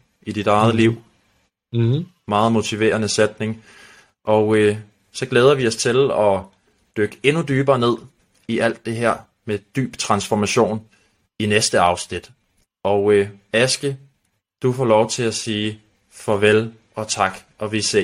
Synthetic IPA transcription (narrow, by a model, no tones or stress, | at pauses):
ʔid̥id̥ɑ̈ɪðˠəliʊ̰ | mɑ̈ːð̩ˠmo̝t͡sʰiʋe̝̰ːɐnəsed̥ne̝ŋ | ʔɒʊə | sɒ̽ɡ̥leːð̞ˠɐʋiɒ̽st͡sʰe̝lɒ̽ | d̥øɡ̥əe̝nud̥yːb̥ɐːne̝ð̰ˠ | iʔæl̰d̥ːe̝ɦeɐ̰ | med̥y̰ːb̥t͡sʰʁɑ̈nsfɒmæɕo̝̰ːn | inesd̥əɑ̈ʊsnid̥ | ɒʊøæsɡ̥ə | d̥ufɒ̰lɒʊt͡sʰe̝læsiː | fɒ̽ʋel | ɒ̽t͡sʰɑ̈ɡ̥ʔɒ̽ʋise